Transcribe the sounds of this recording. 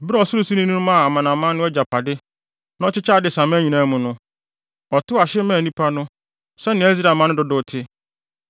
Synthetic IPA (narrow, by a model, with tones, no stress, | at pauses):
bɾɔ˨sʊ˦ɾʊ˦su˦nĩ˦nũ˦nʊ̃˦mã˦˨a˨mã˨nã˨mã˦nʊ̃˦ɛ˦d͡ʑa˨pʰa˨dɪ˦ | nã˦ɔ˦t͡ɕɪ˦t͡ɕʰa˦˨dɪ˨sã˨mã˦ɲĩ˨nã˦mʊ̃˨nʊ̃˦ | ɔ˨tʊ˦a˨ɕɪ˦mãː˦˨nĩ˦pʰa˦nʊ̃˦ | sɛ˦nɪ̃˨˦ɛ˦zɾa˨mã˦nʊ̃˦dʊ˨dʊ˨tʰɪ˦